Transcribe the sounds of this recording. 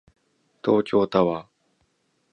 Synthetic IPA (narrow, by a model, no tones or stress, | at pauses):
t̪o̞ːkʲo̞ːt̪aβa